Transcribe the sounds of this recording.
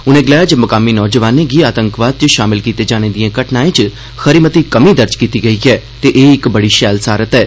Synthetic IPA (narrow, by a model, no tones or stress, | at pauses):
ʊnẽːɡɪlaːjad͡ʒəmʊkaːminɔːd͡ʒəʋaːnẽɡiːaːt̪ə̃ŋkʋaːd̪̚t͡ʃəʃaːmɪlkiːt̪eːd͡ʒaːñeːd̪ijãːkəʈnaːẽːt͡ʃ | xəɾiːmət̪iːkəmĩːd̪əɾd͡ʒkiːt̪iːɡəiːɛː | t̪eːʔeːɪkbəɽiːʃɛːlsaːɾət̪ɛː